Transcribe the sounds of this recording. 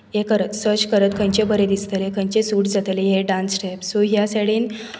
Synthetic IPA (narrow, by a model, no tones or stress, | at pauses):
jekəɾət̪səɾt͡ɕkəɾət̪kʰə̃ɲt͡ɕebəɾed̪ist̪əlekʰə̃ɲt͡ɕesuːʈd͡zat̪eleɦeɖãnsʈepsoɦjasaɽiːn